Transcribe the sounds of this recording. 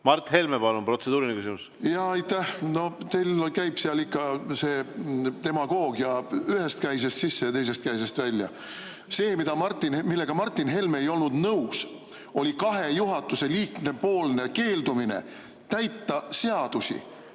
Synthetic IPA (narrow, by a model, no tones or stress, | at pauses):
mɑrt̪ːhe̞lmepɑlunpro̞t̪sed̪uːɾinekysimus | jɑːjt̪ːæhno̞t̪e̞jlkæjb̥seɑlikːɑse̞ːt̪e̞mɑɡ̥o̞ːɡjɑyɦe̞st̪̚kæjs̬e̞st̪sisːejɑt̪e̞js̬e̞st̪̚kæjs̬e̞st̪vælʲːjɑ̰ | se̞ːmid̪̥ɑmɑrt̪ˑːinmilːe̞ɡ̥ɑmɑrt̪ˑːinɦe̞lmeejo̞lnud̪̥nɤws | o̞lʲikɑɦe̞juɦɑt̪ːˑuse̞liːkne̞po̞ːlne̞ke̞ːld̪uminḛ | t̪æjt̪ːɑse̞ɑd̪̥usʲḭ